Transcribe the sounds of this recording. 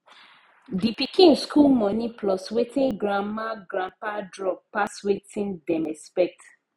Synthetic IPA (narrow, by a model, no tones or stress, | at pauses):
dipikĩnskʰulmɔniplɔswetĩnɡɾãmaɡɾãmpadɹɔp̚paswetʰĩndɛ̃mɛspɛk̚t